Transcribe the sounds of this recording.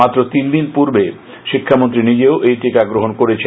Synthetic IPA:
at̪ːɾot̪ind̪inpuɾbe | ʃikʰːamont̪ɾinid͡ʑeoʔejʈikaɡɾoɦonkoɾet͡ɕʰe

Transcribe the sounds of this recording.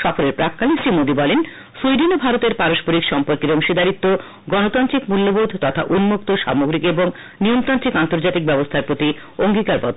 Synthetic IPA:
ʃɔfoɾeɾpɾakːalisɾimod̪ibɔlen | sujɖinobʱaɾot̪eɾpaɾoʃpoɾikʃɔmpoɾkeɾoŋʃid̪aɾit̪ːo | ɡɔnot̪antɾikmulːobod̪ʱt̪ɔt̪ʰa̰ʔunmukt̪oʃa̰moɡɾikeboŋ | niomt̪ant̪ɾikant̪oɾd͡ʑat̪ik̚bɛbost̪ʰaɾpɾot̪i | oŋɡikaɾbɔ̰t̪ː

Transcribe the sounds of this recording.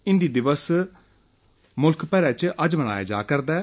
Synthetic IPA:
ɪnd̪iːd̪ɪʋəs | mʊlkpɛːɾɛːt͡ʃʔəd͡ʒməna̰ːja̰ːd͡ʒa̰ːkəɾd̪aː

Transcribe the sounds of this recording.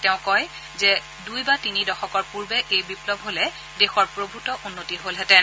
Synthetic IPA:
tɛʊ̃kɔj | zɛ | dujbatinidɔxɔkɔɹpuɹbɛʔejbiplɔbʱɦolɛ | dexɔɹpɹobʱutɔʔunːotiɦolɦɛtɛn

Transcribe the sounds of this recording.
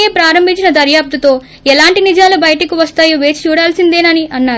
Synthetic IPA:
eːpɾaːɾɐmbʱiɲt͡ʃinɐd̪ɐɾjaːp̚t̪ut̪o̞ː | ɛlaːɳʈinid͡ʒaːlubɐjɐʈɐkiʋɐst̪aːjoʋe̞ːt͡ʃi̥t͡ʃuːɽaːlsind̪e̞ːnɐniʔɐnːaːɾ

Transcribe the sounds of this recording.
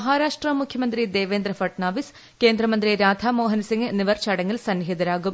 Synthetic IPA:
ɦaːɾaːʂʈrɐmukʰjɐmɐnd̪ɾid̪eːʋeːnd̪ɾɐfɐʈɳaːʋis | keːnd̪ɾɐmɐnd̪ɾiɾaːd̪ʱamoːɦɐnsiŋɡnːiʋɐrt͡ɕɐɽɐŋːilsɐnːɦid̪ɐɾaːɡum

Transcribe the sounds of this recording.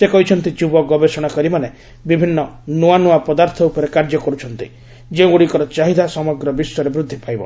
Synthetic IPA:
sekɔɦit͡ʃʰɔnt̪id͡ʒubɔɡɔbesɔɽ̃akɔɾimane | bibʱinːɔnuanuapɔd̪aɾt̪ʰɔupɔɾekaɾd͡ʒɔkɔɾut͡ʃʰɔnt̪i | d͡ʒeũuɽikɔɾɔt͡ʃaɦid̪ʱasɔmɔɡɾɔbisɔɾebɾud̪ʱːipajbɔ̰

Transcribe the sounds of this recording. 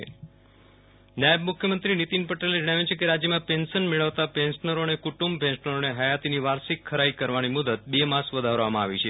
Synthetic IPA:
naəbmukʰjəmənt̪ɾinit̪inpəʈeled͡ʒəɽ̃aʋjut͡ʃʰekeɾad͡ʒjəmãpensənmeɭəʋt̪apẽnsnəɾoənekuʈumbpɛ̃nsnəɾoneɦəjat̪iniʋaɾsikʰːəɾaikəɾʋanimud̪ət̪̚bemasʋəd̪ʱaɾʋamãaʋḭt͡ʃʰe

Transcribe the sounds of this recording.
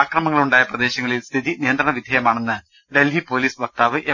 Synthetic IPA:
aːkrɐmɐŋːɐɭuɳɖaːjɐprɐd̪e̞ːɕɐŋːɐɭilst̪ʰiðinijɐnd̪rɐɳɐʋid̪ʱjɐjɐmaːɳenːɨ | ɖe̞lɦipo̞ːliːsʋɐk̚t̪aːʋɨʔe

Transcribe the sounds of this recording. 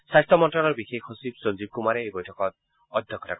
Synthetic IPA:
sajstʰɔmɔntɹɔlɔɹbixekɦosibsonzib̚kumaɹɛejbɔjtʰɔkɔt̚ | ɔd̪ʱjɔkʰːɔta̰k

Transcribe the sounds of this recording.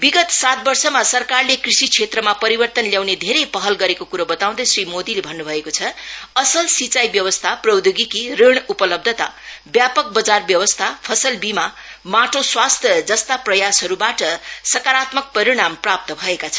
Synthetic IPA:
biɡʌt̪sat̪̚bʌrsʌmasʌrkarlekrisikt͡sʰet̪rʌmapʌɾibʌrt̪ʌnljawned̪ʱeɾʌjpʌɦʌlɡʌɾekokuɾʌbʌt̪aw̃d̪ʌsrimod̪ilebʱʌnːubʱʌekot͡sʰʌʌsʌlsit͡sajbjʌwʌst̪ʰaprʌwd̪oɡikireɳ̃upʌlʌb̚d̪ʱʌt̪abjapʌk̚bʌd͡zarbjʌwʌst̪ʰapʰʌsʌlbimamaʈʰoswast̪ʰjʌd͡zʌst̪aprʌjasɦʌɾubaʈʌsʌkaɾat̪mʌk̚pʌɾiɽ̃amprap̚t̪ʌbʱʌekat͡sʰʌ̥

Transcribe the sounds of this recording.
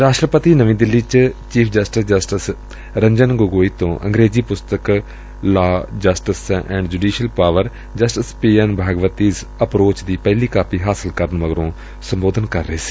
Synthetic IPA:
ɾaːʃʈɾəpət̪iːnəʋĩːd̪ɪlːiːt͡ʃt͡ʃiːpʰd͡ʒəsʈɪsd͡ʒəsʈɪs | ɾəɲd͡ʒənɡoːɡoːiːt̪õːʔə̰̃ŋɡɾeːziːpʊst̪ək | laːd͡ʒəsʈɪsɛ̰̃ːɳɖd͡ʒuːɖiːʃəlpaːʋəɾ | d͡ʒəsʈɪspiːənbʱaːɡʋət̪iːs | əpɾoːt͡ʃd̪iːpɛɪliːkaːpiːɦaːsɪlkəɾənʋəɡɾõː | sə̃mboːd̪ənkɐɾːəɦeːsi̥ː

